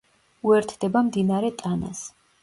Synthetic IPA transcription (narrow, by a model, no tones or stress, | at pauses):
uɛɾt̪ʰd̪ɛbamd̪inaɾɛt̪ʼana̰s